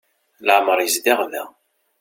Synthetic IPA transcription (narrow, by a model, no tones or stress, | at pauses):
ləʕməɾˤjəzd̪ɪʁðæ̰